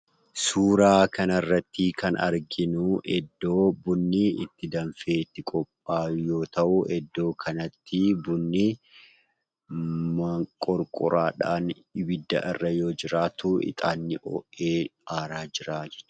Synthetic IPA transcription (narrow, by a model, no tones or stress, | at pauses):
suːɾaːkɐnɐrːɐt̪ːikʰɐnɐ̰ɾɡɪnʊʔɛd̪ːo̞ːbʊnːɪɪt̪ːɪd̪ɐnfe̞ːt̪ːɪkʼɔpʼːaːjo̞ːt̪ɐʔʊɛd̪ːo̞ːkʰɐnɐt̪ːɪbʊnːɪ | mɐkʼɔɾkʼʊɾaːᶑaːn | bɪd̪ːɐ̰ʔɪrːɐjoːd͡ʒɪɾaːt̪uʔɪ̰t̪ʼaːnːɪʔɔ̰ːʔeːaːɾaːd͡ʒɪɾaːd͡ʒɛ̥t͡ʃː